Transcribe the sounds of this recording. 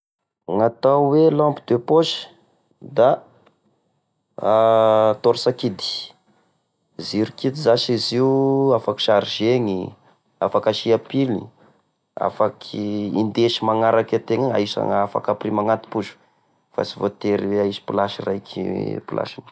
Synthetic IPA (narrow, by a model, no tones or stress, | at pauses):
ŋat̪awwelɔ̃mpid̪wepoʃi̥ | d̪a | t̪oɾisakid̪i̥ | ziɾikid̪izaʃiziuafaki̥ʃaɾʒeŋi | afakaʃiapilḭ | a̰fakʰiind̪eʃimaŋaɾakat̪eŋaa̰isa̰ŋafa̰kaprimaŋat̪i̥puzu̥ | fa̰t͡sivot̪eɾiweaisi̥pilaʃirajkʰḭpila̰ʃin